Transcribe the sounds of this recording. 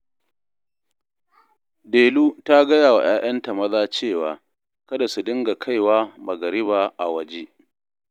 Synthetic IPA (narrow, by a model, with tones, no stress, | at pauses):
deː˨luː˦ta˦ɡɐ˦jaː˨wa̰˨j̰aː˦jɐ˦nta˨mɐ˦zaː˦t͡ʃeː˦˨waː˨ | kɐ˦da˨su˨dɪ˦ŋɡa˨kʰa˦jwaː˦mɐ˨ɡɐ˨ɾɪ˦baː˨ʔa˨wɐ˦d͡ʒeː˦ʔ